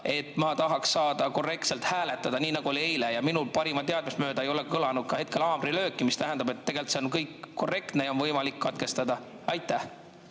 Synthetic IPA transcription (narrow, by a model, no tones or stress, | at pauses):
e̞t̪mɑt̪ɑɦɑksːɑːd̪̥ɑko̞re̞k̚t̪se̞lt̪hæːle̞t̪ːˑɑd̪̥ɑniːnɑɡ̥uo̞liejlejɑminulpɑɾimɑt̪e̞ɑd̪̥mesmø̞ːd̪ɑe̞jo̞lekkɤlɑnud̪̚kɑhe̞t̪̚ke̞lɑːbɾilø̞ːkˑːimist̪æɦænd̪ɑbe̞t̪ːe̞ɡ̥e̞lt̪seonkɤjkko̞re̞kt̪nejo̞nvɤjmɑlikːɑt̪̚ke̞st̪ɑd̪̥ɑ | ɑjt̪ːˑæh